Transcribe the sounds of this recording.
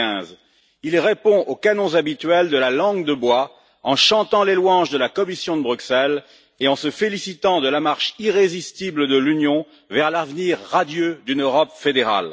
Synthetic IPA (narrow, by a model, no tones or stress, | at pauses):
ɛ̃z | ilʁepɔ̃ʔokanɔ̃zabit̪ɥɛld̪əlalɑ̃ɡd̪əbwa | ɑ̃ʃɑ̃t̪ɑ̃lelwɑ̃ʒd̪əlakɔmisjɔ̃d̪əbʁyksɛl | eɑ̃səfelisit̪ɑ̃d̪əlamaʁʃiʁezist̪ibləd̪əlynjɔ̃ | vɛʁlavniʁːad̪jød̪ynøʁɔpfed̪eʁa̰l